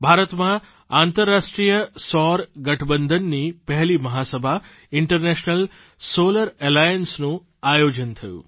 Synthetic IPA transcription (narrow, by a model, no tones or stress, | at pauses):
bʱaːɾət̪mã | aːnt̪əɾːaʂʈɾijəsɔɾɡɐʈʰbənd̪ʱənːipɛɦlimɐɦasəbʱa | ɪɳʈəɾneʃnəl | soləɾelajənsnũ | ajod͡ʒənt̪ʰəjṵː